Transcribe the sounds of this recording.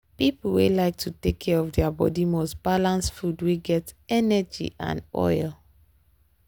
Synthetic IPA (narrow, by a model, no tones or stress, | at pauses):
pipl̩wḛlaɪk̚tʰutekʰːɛɹɔfdɛabɔ̰dimɔsb̥alãnsfudweɡɛtɛnɛd͡ʒḭʔã̰nɔ̰ɪl